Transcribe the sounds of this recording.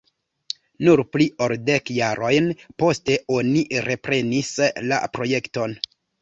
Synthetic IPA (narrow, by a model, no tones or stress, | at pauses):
nuɾplio̞lde̞kjaɾʔo̞jnpo̞ste̞o̞niɾe̞pɾe̞nisla̰pɾo̞je̞kto̞n